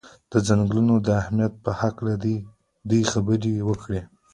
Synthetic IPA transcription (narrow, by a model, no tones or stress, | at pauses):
d̪̥əzaŋɡlunod̪əahmijat̪̚pəhaklad̪ | d̪ujxabəɾewəkɽe